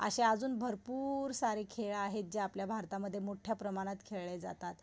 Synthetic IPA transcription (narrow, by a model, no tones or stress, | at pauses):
ə̰ɕead͡zuːnbʱəɾpuɾsaɾekʰeɭaɦet̪̚d͡ʑeapljabʱaɾt̪aməd̪ʱːjemoʈʰjapɾəmaɽ̃at̪kʰeɭɭed͡za̰t̪at̪